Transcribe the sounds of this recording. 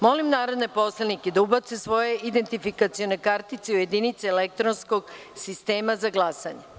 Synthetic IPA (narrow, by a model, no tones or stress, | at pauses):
mo̞limnaːɾo̞d̪ne̞po̞sleniked̪aubat̪sesʋo̞je̞ʔid̪e̞nt̪ifikat̪sijo̞ne̞kaɾt̪it̪seuje̞d̪init̪seːlek̚t̪ɾonsko̞ɡ | sist̪e̞ːmazaɡlˠasaɲe